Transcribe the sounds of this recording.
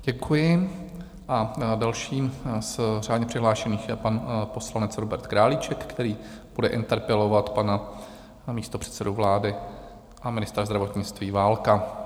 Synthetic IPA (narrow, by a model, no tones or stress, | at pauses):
ɟ̥ɛkʰujɪ | ʔadalʃiːmsr̝aːd̪ɲɛpr̥ɪɦlaːʃɛniːxjɛpanpo̞slanɛt͡sɾobɛɾt̪kɾaːlit͡ʃɛkkːt̪ɛɾiːb̥udɛʔɪ̰nt̪ɛɾpɛlovat̪pana | miːst̪o̞pr̥ɛ̥t̪sɛdovlaːdɪ | ʔamɪnɪst̪ɾazd̪ɾavo̞t̪ɲɪt͡st̪viːvaːlka